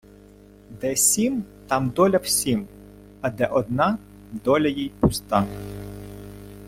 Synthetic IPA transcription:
d̪ɛsʲimt̪ɑmd̪ɔlʲɐwsʲim | ɐd̪ɛʔɔd̪nɑ | d̪ɔlʲɐjijpʊst̪ɑ

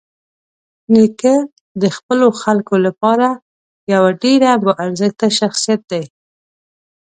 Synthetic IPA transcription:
nikə | d̪əxpəloxalkolapɑɾa | jawaɖeɾabəʔaɾzəxt̪aʃaxsijat̪̚d̪aj

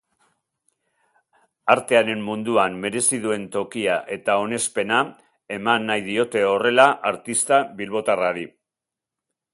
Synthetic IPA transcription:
aɾt̪e̞aɾe̞mːund̪uamːe̞ɾe̞siðue̞nt̪o̞kiaʔe̞t̪ao̞ne̞spe̞na | e̞manːajðio̞t̪e̞o̞re̞laʔaɾt̪ist̪aβilβo̞t̪araɾi

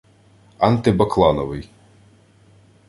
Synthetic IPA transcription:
ɐnt̪ɪbɐklˠɑnɔʋɪj

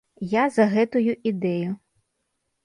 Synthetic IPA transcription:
jazɐɣɛt̪ʊjʊʔid̪ɛjʊ

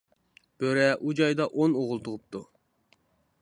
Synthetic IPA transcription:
b̥øɾɛʔud͡ʒɑjd̪ɑʔonoʁʊlˠt̪ʰʊʁʊp̚t̪ʰu

